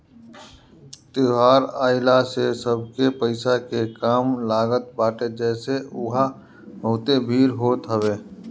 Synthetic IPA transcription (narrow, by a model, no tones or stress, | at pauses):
t̪ɪɦaːɾaːɪlasesəb̚ʱkepəɪsakekaːmlaːɡət̪̚baːʈed͡ʒɛːseʊɦa | ɦoːt̪ebʱiːɾɦoːt̪ɦəʋeː